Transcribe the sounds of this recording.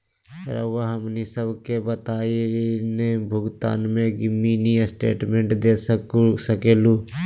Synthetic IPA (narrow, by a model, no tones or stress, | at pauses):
ɐ̰ɾa̰ʋəɦɐmnisəbʱkebət̪aːiɾinebʱʊɡt̪a̰ːnmẽɡɪmːiniəsʈḛːʈmẽɳʈd̪eːsksəkeːlu